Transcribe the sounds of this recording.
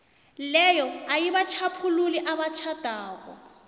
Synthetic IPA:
lɛjɔajiβat͡ʃʰapʰululiʔaβat͡ʃʰad̥ʱaːkɔ̰

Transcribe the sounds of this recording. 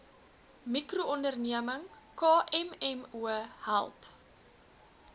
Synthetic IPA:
mikruɔndərniəməŋ | kɑːʔɛmɛmuəhæ̰lˠp

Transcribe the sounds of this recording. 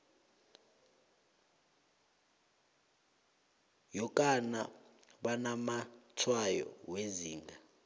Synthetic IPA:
jɔkʼana̰ɓanamatʰwajɔ̰weziːŋɡa

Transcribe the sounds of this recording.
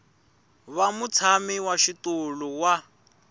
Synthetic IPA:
βamut͡sʰamiwaʃituluwa

